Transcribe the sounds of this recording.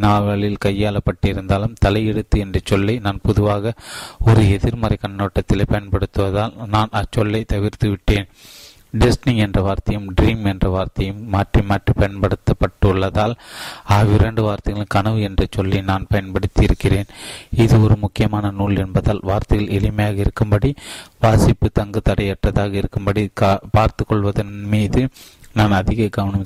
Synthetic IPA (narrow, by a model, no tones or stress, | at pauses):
naːlʋɐɭɪlkɐjːaːlɐpːɐʈːɪɾɯnd̪aːlɯmt̪ɐlɐɪɛɽɯt̪ːɯɛndrɐt͡ʃːɔlːɐɪnaːnpʊðɯʋaːɣɐɔɾɯɛðɪɾmɐɾɐɪkɐɳnoːʈːɐt̪ːɪlepɐjɐnpɐɽɯt̪ːɯʋɐðaːlnaːnɐt͡ʃːɔlːɐɪt̪ɐʋɪɾt̪ɯʋɪʈːeːn | ɖɪsʈnɪŋɛndrɐʋaːɾt̪ɐjɯmɖɾiːmɛndrɐʋaːɾt̪ɐjɯmːaːʈrimaːʈripɐjɐnpɐɽɯt̪ːɐpːɐʈːɯʊɭːɐðaːlaːʋɪɾɐɳɖɯʋaːɾt̪ɐɣɐlɯkɐnɐʋɯɛndrɐt͡ʃːɔlːinaːnpɐjɐnpɐɽɯt̪ːɪɪɾɯkːɪreːnɪðɯɔɾɯmʊkːɪjɐmaːnɐnuːɭɛnbɐðaːlʋaːɾt̪ɐɣɐɭɛlɪmɐjaːɣɐɪɾɯkːɯmbɐɽiʋaːsɪpːɯt̪ɐŋɡɯt̪ɐɽɐɪɛʈːɐðaːɣɐɪɾɯkːɯmbɐɽipaːɾt̪ɯkːɔɭʋɐðɐnmiːðɯ | naːnɐðɪɣɐɡɐʋɐɳɐm